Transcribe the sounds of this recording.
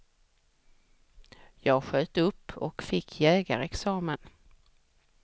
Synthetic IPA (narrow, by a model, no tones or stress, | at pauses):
jɑːɡɧøːt̪əɵpʰːɔ̰kfɪkʰːjɛːɡa̰ɾɛksɑːmən